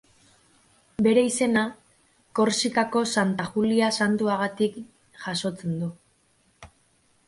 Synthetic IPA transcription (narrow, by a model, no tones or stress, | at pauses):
be̞ɾe̞ise̞na | ko̞ɾsikako̞sant̪axuliasant̪uaɣat̪ik | ʝ̥aso̞t͡se̞nd̪u